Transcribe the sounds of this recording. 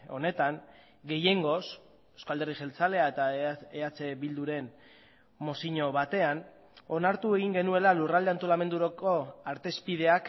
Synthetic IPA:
o̞̰ne̞t̪aŋ | ɡe̞je̞ŋɡo̞s | eskald̪e̞riʝe̞lt͡sale̞aet̪aeat͡se̞βild̪uɾe̞n | mo̞siɲo̞βat̪e̞an | o̞naɾt̪ue̞ɣ̞iŋɡe̞nue̞lalurald̪eant̪o̞lame̞nd̪uɾoko̞aɾt̪e̞spið̞e̞ak

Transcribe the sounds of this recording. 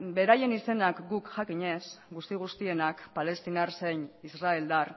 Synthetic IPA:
be̞ɾaje̞nise̞nakɡukʝakiɲe̞sɡust̪iɣ̞ust̪ie̞nakpale̞st̪inaɾse̞ɲisraeld̪ar

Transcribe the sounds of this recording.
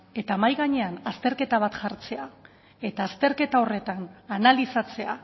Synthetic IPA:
e̞t̪amajɣaɲe̞anast̪e̞ɾke̞t̪aβ̞at̪ʝaɾt͡se̞a | e̞t̪aːst̪e̞ɾke̞t̪ao̞re̞t̪ananalisat͡se̞a

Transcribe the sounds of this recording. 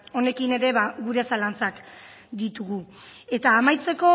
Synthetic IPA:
o̞ne̞kine̞ɾe̞βaɣuɾe̞salant͡sak | d̪it̪uɣue̞t̪aːmajt͡se̞ko̞

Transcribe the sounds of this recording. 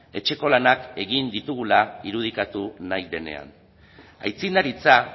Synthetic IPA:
e̞t͡ʃe̞ko̞lanake̞ɣind̪it̪uɣulaiɾuð̞ikat̪unajd̪e̞ne̞̰a̰n | ajt͡sind̪aɾit͡sa

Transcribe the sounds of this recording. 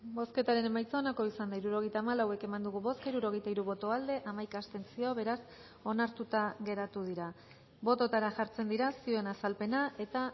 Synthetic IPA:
bo̞ske̞t̪aɾe̞ne̞majt͡saonako̞isand̪aiɾuɾo̞ɣjt̪aːmalawe̞ke̞mand̪uɣuβo̞skaiɾuɾo̞ɣ̞e̞jt̪aiɾuβo̞t̪o̞ald̪e̞ʔamajkaːst̪e̞nt͡sioβe̞ɾas | o̞naɾt̪ut̪aɣe̞ɾat̪uð̞iɾa | bo̞t̪o̞t̪aɾaʝaɾt͡se̞nd̪iɾasioe̞nasalpe̞nae̞t̪a

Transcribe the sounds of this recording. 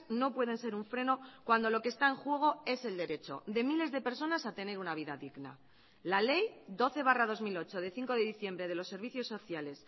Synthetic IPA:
no̞pwe̞ð̞e̞nse̞ɾuɱfɾe̞no̞kwand̪o̞lo̞kest̪aeŋxwe̞ɣ̞o̞e̞se̞ld̪e̞ɾe̞t͡ʃo̞̰d̪e̞mile̞zðe̞pe̞ɾso̞nasat̪e̞ne̞ɾunaβ̞iðaðiɣna̰ | lale̞jd̪o̞θe̞β̞arað̞o̞zmilo̞t͡ʃo̞ð̞e̞θiŋko̞ðe̞ðiθje̞mbɾe̞ð̞e̞lo̞sːe̞ɾβ̞iθjo̞sːo̞θjale̞s

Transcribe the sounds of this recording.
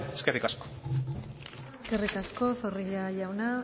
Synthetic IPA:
eskerikasko | ekerikasko̞θo̞riʎajawna

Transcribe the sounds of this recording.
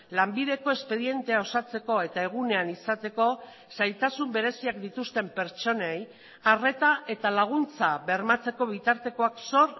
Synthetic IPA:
lambiðe̞ko̞e̞spe̞ðje̞nt̪e̞ao̞sat͡se̞ko̞e̞t̪ae̞ɣ̞une̞anisat̪e̞ko̞ | sajt̪asumbe̞ɾe̞siakd̪it̪ust̪e̞mpe̞ɾt͡ʃo̞nej | are̞t̪aʔe̞t̪alaɣ̞unt͡saβe̞ɾmat͡se̞ko̞β̞it̪aɾt̪e̞ko̞akso̞r

